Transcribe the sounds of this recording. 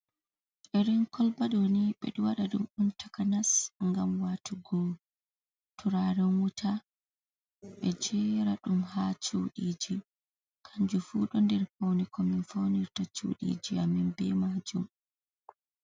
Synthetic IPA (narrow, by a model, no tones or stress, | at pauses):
ʔɛɾiŋkʰɔlbaɗoniɓɛ̰ɗuwaɗaɗumuntʰḁkanasŋɡamwatʰuɡɔ | tʰuɾaɾɛwutʰa | ɓɛd͡ʒɛɾaɗumhat͡ʃuwɗiːd͡ʒi | kʰaɲd͡ʒufuɗɔndɛɾhownikɔminfowniɾtat͡ʃṵɗḭːd͡ʒiaminbɛmad͡ʒum